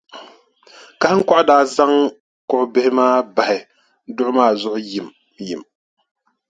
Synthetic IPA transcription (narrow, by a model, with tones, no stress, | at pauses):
ka˨˦ŋ̩˦ka˦ʔʊ˦daː˦za˦ŋ | kʊ˨ʔʊ˨bɪ˦hɪ˦maː˦ba˨hɪ˨ | dʊ˦ʔʊ˦maː˦˨zʊ˦˨ʔʊ˦ji˨m | ji˨m